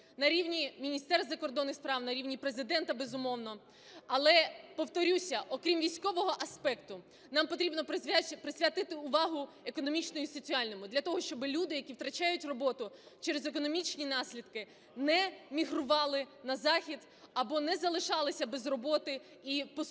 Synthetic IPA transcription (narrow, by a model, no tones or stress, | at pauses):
nɐɾʲiwnʲimʲinʲist̪ɛɾzɐkɔrd̪ɔnːɪxspɾɑwnɐɾʲiʋnʲipɾezɪd̪ɛnt̪ɐbezʊmɔwnɔ | ɐlˠɛpɔwt̪ɔɾʲusʲɐʔɔkɾʲimʋʲijsʲkɔʋɔɦɔʔɐspɛkt̪ʊ | nɑmpɔt̪ɾʲibnɔpɾɪsʲʋʲjɐt̪ɪt̪ɪʊʋɑɦʊ | ekɔnɔmʲit͡ʃnɔjʊsɔt͡sʲiɑlʲnɔmʊd̪lʲɐt̪ɔɦɔʃt͡ʃɔbɪlʲud̪ɪjɐkʲiwt̪ɾɐt͡ʃajʊtʲrɔbɔt̪ʊt͡ʃɛɾezekɔnɔmʲit͡ʃnʲinɑsʲlʲid̪kɪ | nɛmʲiɦɾʊʋɑlˠɪnɐzɑxʲid̪ | ɐbɔnɛzɐlˠɪʃɑlˠɪsʲɐbezrɔbɔt̪ɪ | ipɔ